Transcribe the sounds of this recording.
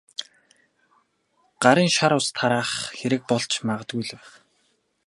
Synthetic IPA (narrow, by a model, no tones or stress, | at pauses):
ɢ̥aɾiːŋʃaɾʊːst̪ʰaɾaːχxeɾɘ̆k̚pɔɮt͡ɕʰmaʁə̆t̪̚ɡujɮɘ̆w